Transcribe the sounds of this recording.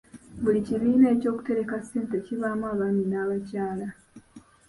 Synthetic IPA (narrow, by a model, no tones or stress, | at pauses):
βuliciβiːnae̞co̞ːku̥te̞ɾe̞kasːe̞ːnteciβaːmuaːβaminaːβacaːla